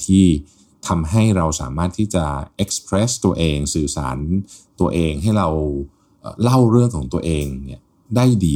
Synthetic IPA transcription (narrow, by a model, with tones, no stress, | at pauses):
t̪ʰiː˥˩ | t̪ʰa˧mɦa˥˩jɾa˧wsa̰ː˩˦maː˥˩t̪ʰːiː˥˩t͡ɕa˨˩ʔe˦˥k̚spʰɾɛ˦˥st̪u˧ɐʔeː˧ŋsɯː˨˩sa̰ː˩˦nt̪u˧ɐʔeː˧ŋɦa˥˩jɾa˧w | ʔə̰ː˨˩la˥˩wɾɯ˥˩əŋkʰɔː˩˦ŋt̪u˧ɐʔeː˧ŋni˥˩ɐ | daː˥˩jdiː˧